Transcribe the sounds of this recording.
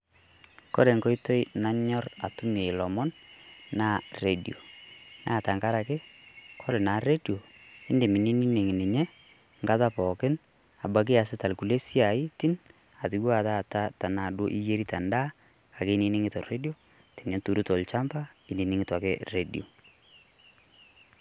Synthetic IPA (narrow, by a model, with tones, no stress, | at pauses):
kɔ̰˦ɾe˨ŋkɔ˦jto˦jna˦ɲɔ˦ra̰˨tʊ˦me˨ɪ˨lɔ˨mɔ˦nːa˦re˦di˨o˨na̰˦˨ta˨ŋka˦ɾa˨kɪ˦ | kʰɔ˦ɾɪ˨na˨re˦djo˨ | ɪ˦ndɪ˨mi˨ni˦ni˦ne˨ŋi˨nɪ˨ɲɛ˦ | ŋɡa˦ta˦pɔ˨kɪ˦n | a˨ba˨k̬ɪ˦a˨sɪ˦ta˨lku˨le˦si˦a˨ɪ˦ti˦n | a˨tɪ˨˦ɡwa˦˨ta˦˨ta˦ta˨na˨do˦ʔḭ˦je˦ɾi˦ta˨nda˦ | a˨kɪ˦nɪ˦nɪ˦ŋɪ˦tɔ˨re˦di˦o˦ | ti˨nɛ˦tu˨ɾu˦to˨lt͡ʃa˦mba˦ | ɪ˨ni˨nɪ˦ŋɪ˦ta˨kɪ̰˦re˨di˨o˨